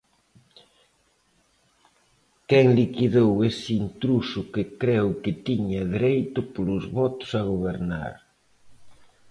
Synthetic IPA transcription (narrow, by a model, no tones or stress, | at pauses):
kɛŋlikiðowesint̪ɾusʊkɪkɾɛwkɪt̪iɲɐðiɾejt̪ʊpolʊzβɔt̪ʊ̥sɐɣoβ̞eɾna̰ɾ